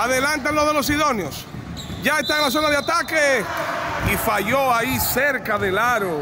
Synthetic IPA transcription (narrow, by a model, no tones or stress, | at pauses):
aðelant̪̬anloðelo̞s̬iðo̞njos | ɟ͡ʝae̞st̪aeŋlas̬onaðeat̪ake | ifaʝo̞aiseɾkaðe̞laɾo